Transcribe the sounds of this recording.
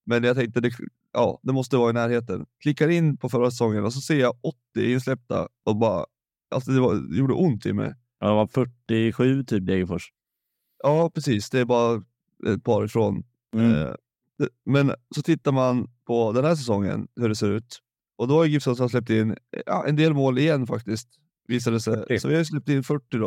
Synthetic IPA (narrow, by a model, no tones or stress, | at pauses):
mɛnjat̪ʰɛŋkt̪əd̪ɛ | ʔɑ̰ːd̪ɛmɔs̬t̪əvɑːɾɪnæːɾheːt̪ənkʰlɪkːaɾɪnːpʰɔfœɾasɛsɔŋːənɔs̬ɔseːjaɔt̪ːɪɪnslɛp̚t̪ʰa̰ɔbɑːɾa̰ | a̰lsɔd̪ɛvajuːɖə̰ʔʊnt̪ʰːɪ̰mːɛ̰ | a̰d̪ɛvaɾfœʈːɪɧʉ̟ːt̪ʰyːp̚d̪ɛɡəfœʂ | ɑːpʰɾɛsiːsd̪ɛːɾbɑːɾa | ɛ̰t̪̚pʰɑːɾɪfɾo̰ːn | ɛmɛnsɔt̪ʰɪt̪ːaɾmanpʰɔd̪ɛnhæːʂ̬ɛsɔŋːə̰nhɵɖɛseːɾʉ̟ːt̪ | ɔd̪ɔvaɾjɡɪfsɔnsɔaslɛp̚t̪ɪnːɑ̰ʔɛ̰nd̪eːlmoːlɪjɛnːfakt̪ɪst̪ | viːs̬ad̪ɛsɛsɔvɪhajs̬lɛp̚t̪ɪnːfœʈːɪd̪ɔ